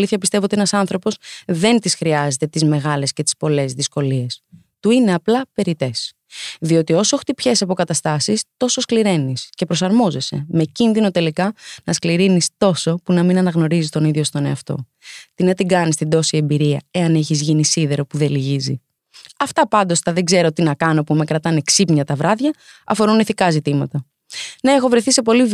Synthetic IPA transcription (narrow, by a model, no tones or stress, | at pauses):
liθçɐpist̪evot̪ie̞nɐsɐnθɾo̞po̞sðe̞nt̪isxɾiɐzet̪e̞t̪izme̞ɣɐle̞sce̞t̪i̥spo̞le̞zðisko̞lie̞s | t̪uine̞ɐplɐpe̞ɾit̪e̞s | ðio̞t̪io̞so̞xt̪ipçe̞sɐpo̞kɐt̪ɐst̪ɐsist̪o̞so̞skliɾe̞nisce̞pɾo̞sɐɾmo̞ze̞se̞̰me̞cinðino̞t̪e̞likɐnɐskliɾinist̪o̞so̞punɐminɐnɐɣno̞ɾizist̪o̞niðʝo̞st̪o̞neɐft̪o̞̰ | t̪inet̪iɡɐnist̪id̪o̞sie̞mbiɾiɐ̰e̞ɐneçizʝinisiðe̞ɾo̞puðe̞liʝizi | ɐft̪ɐpɐnd̪o̞st̪ɐðe̞ɡze̞ɾo̞t̪inɐkɐno̞pume̞kɾɐt̪ɐneksipɲɐt̪ɐvɾɐðʝɐ | ɐfo̞ɾuneθikɐzit̪imɐt̪ɐ | neexo̞vɾeθise̞po̞li